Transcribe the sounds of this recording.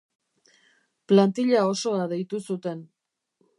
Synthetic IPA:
plant̪iʎao̞so̞aðe̞jt̪usut̪e̞n

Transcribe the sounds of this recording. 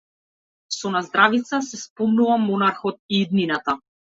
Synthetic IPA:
sɔnazd̪ɾavit̪sasɛspɔmnuvamːɔnaɾxɔt̪̚iːd̪ninat̪a

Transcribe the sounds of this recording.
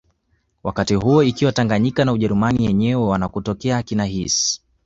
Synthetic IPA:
wakatiɦuɔikiwataŋɡaɲikanauʄɛɾumanijɛɲɛwɛwanakutɔkɛakinaɦis

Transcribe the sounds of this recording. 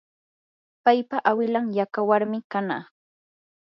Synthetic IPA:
pajpaʔawɪlaŋjakawaɾmɪkana̰ː

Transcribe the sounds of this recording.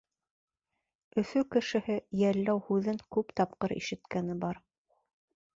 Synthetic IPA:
ɵ̆θɵkɘ̆ʃɘ̆hɘjælːæwhʉðɘŋkʉpt̪ɑpqɤɾḭʃɘ̆t̪kænɘbɑɾ

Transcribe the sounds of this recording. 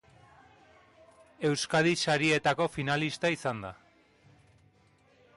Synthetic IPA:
e̞wskaðisaɾie̞t̪ako̞finalist̪aisand̪a̰

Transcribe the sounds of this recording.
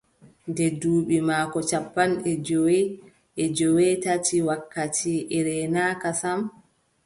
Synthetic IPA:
ndɛduːɓimaːkɔt͡ʃapːanɛd͡ʒowɛ | ʔɛd͡ʒɔwɛtatiwakːatiʔɛɾɛnaːkasam

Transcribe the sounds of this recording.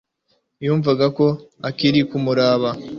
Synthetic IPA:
juːɱvaɡako̞akiɾikumuɾaːβa

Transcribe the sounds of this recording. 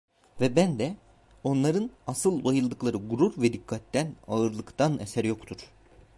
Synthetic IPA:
vɛbænd̪ɛ | o̞nlˠaɾɯnasɯlˠbajɯlˠd̪ɯklˠaɾɯɡuɾuɾvɛd̪ikʰːat̪ːænaɯɾlˠɯkt̪ʰanesæɾjo̞kt̪ʰuɾ̥

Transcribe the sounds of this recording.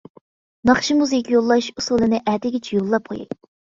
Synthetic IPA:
nɑχʃimuzɪkʲijolˠːɑʃusulˠɨnɪʔæd̪ɪɡʲɛt͡ʃʰɛjolˠːɑp̚qʰo̰jḭ

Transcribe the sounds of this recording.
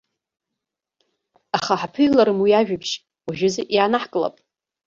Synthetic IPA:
aχaħpʰɨjlaɾɨmwiaʒᶣapʰʃ | waʒᶣʊzeʔjaːnaħkʼɨla̰pʼ

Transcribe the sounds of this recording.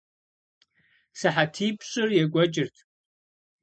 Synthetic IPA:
sɨħatʰiːpʰɕʷʼʊrjɛɡʷɔt͡ʃʼɪrtʰ

